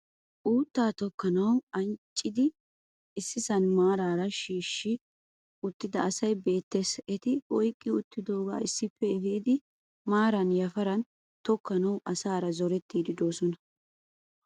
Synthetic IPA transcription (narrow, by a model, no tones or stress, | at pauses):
ʔuːt̪ːaːt̪ɔkːɐnɐwɐnt͡ʃʼːɪd̪ɪ | ɪsːɪsɐnmaːɾaːɾɐʃiːʃːɪ | ʊt̪ːɪd̪ɐːsɐjbe̞ːt̪ːeːsɛt̪ɪɔjkʼːɪʊt̪ːɪd̪oːɡa̰ːɪsːɪpːɛɛfiːd̪ɪ | maːɾɐnjɐfɐɾɐn | t̪ɔkːɐnɐwʔɐsaːɾɐzɔɾɛt̪ːiːd̪ɪd̪o̞ːsɔnɐ